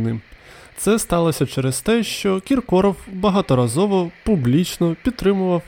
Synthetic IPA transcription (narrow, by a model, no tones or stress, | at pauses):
nɪ | t̪sɛst̪ɑlˠɔsʲɐt͡ʃɛɾɛst̪ɛʃt͡ʃɔkʲirkɔɾɔwbɐɦɑt̪ɔɾɐzɔʋɔpublʲit͡ʃnɔpʲid̪̚t̪ːɾɪmʊʋɐw